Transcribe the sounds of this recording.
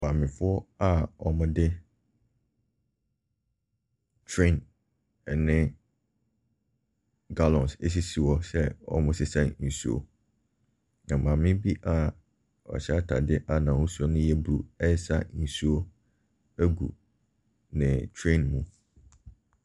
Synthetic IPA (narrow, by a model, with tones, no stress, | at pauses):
mã˨mɪ̃˨fʊ˦ɔ˦a˦ɔ˨mʊ̃˦dɪ˦ | tʰɹẽ˦˨n˨ | nɪ̃˦ | ɡa˦lɔ̃˨nsḛ˦s̬i˦si˨wɔ˦sɛ˦ɔ̰˨mʊ̃˦sɪ˦sã˦n̩˨su˦o̰˨ | nã˨mã˨mɪ̃˦bi˦ʔa˦ | ɔ̰˨ɕɛ˦a˦tʰa̰˨dɪ˦ʔa˨nã˨wʊ̃˦su˦ɔ˦nʊ̃˦jɛ˦bɾṵ˨ɛ˦sa̰˦n̩˨su˦o˦ | æ˦ɡṵ˨ | nɪ̃˨tʰɾẽ˦˨nmũ˨